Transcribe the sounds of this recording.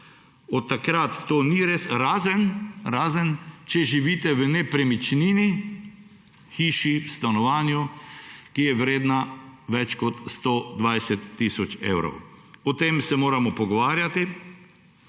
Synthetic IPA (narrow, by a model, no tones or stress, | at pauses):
ɔt̪ːakɾat̪ːoːniɾesɾaːzənɾaːzənt͡ʃɛʒiʋit̪ɛʋənɛpɾɛmit͡ʃnini | xiːʃiwst̪anɔʋaːnjukijɛʋɾeːd̪naʋɛt͡ʃkɔt̪st̪oːd̪ʋajsɛt̪ːiːsɔt͡ʃḛːwɾɔ̰wɔt̪emsɛmoːɾamɔpɔɡɔʋaːɾjat̪i